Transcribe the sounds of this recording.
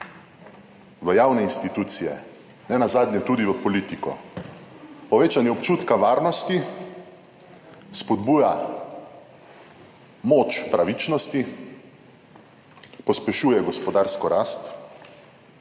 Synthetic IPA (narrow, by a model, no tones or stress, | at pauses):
ʋəjawnɛinst̪it̪uːt̪sijɛ̰ | nɛnazaːd̪nʲjɛt̪ud̪iʋəpɔliːt̪ikɔ̰ | pɔʋeːt͡ʃanjɛɔpt͡ʃuːt̪kaʋaːɾnɔst̪i | spɔd̪buːja | moːt͡ʃpɾaʋit͡ʃnɔst̪i | pɔspɛʃuːjɛɡɔspɔd̪aːɾskɔɾaːst̪